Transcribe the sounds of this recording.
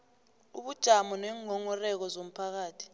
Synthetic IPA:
uɓud̥ʒ̥ʱamɔnɛːŋɔŋɔrɛk̬ɔzom̩pʰak̬aːtʰi̥

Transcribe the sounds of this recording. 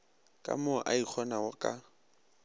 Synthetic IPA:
kʼa̰mʊʔaik͡xʰɔnawʊkʼa

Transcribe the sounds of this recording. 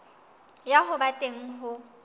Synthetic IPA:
jaɦʊbatʼeŋ̩ɦʊ

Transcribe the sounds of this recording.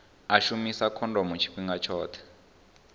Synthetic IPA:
aʃumisakʰɔndɔmut͡ʃʰi̥kiŋɡat͡ʃʰɔːt̪ʰɛ̥

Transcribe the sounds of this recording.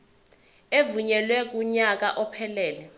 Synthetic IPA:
evuɲɛlwɛk̬uɲak̬aʔɔpʰɛlɛːlɛ

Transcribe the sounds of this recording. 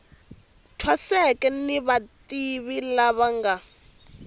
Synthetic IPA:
tʰwasɛkɛniβatiβilaβaŋɡa

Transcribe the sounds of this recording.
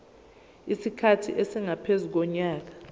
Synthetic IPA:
isikʰatʰiʔesiŋapʰezuk̬ɔɲaːk̬ḁ

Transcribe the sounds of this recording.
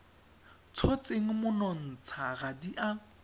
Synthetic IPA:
t͡sʰɔt͡seŋ̩mʊnɔn̩t͡sʰaɣadiʔa

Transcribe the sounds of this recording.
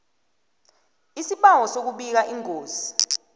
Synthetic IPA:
isiɓawɔsok̬uɓik̬aʔiŋoːzi

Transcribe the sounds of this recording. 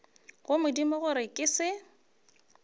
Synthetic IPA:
ɣʊmʊdimʊɣʊɾɪkʼɪsɪ

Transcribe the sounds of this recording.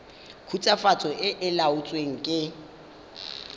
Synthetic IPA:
kʰut͡sʼafat͡sʼɔʔɪʔɪlaʊt͡sʼweŋ̩kʼɪ

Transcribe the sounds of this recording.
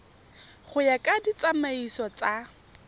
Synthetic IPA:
χʊjakʼadit͡samaisɔt͡sʼa

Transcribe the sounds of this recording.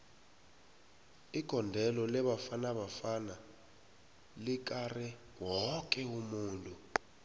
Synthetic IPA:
iɡ̥ʱɔndʱɛlɔlɛɓafanaɓafana | lik̬ʼarɛ | wɔkʼɛumuːntʼu

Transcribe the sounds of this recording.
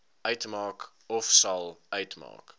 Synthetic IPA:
œɥtmɑːk | ɔfsɐlˠœɥtmɑ̰ːk

